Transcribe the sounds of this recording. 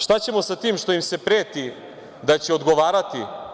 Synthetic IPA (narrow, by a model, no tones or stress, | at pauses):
ʃt̪at͡ɕe̞mo̞sat̪iːmʃt̪o̞jimse̞pɾeːt̪i | d̪at͡ɕeod̪ɡoʋaːɾat̪i